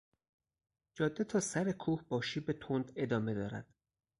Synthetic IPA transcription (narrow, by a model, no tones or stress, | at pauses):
d͡ʒɒːd̪ːet̪ʰɒːsæɾekʰuːhbɒːʃiːbet̪ʰond̪e̞d̪ɒːme̞d̪ɒːɾæ̰d̪̥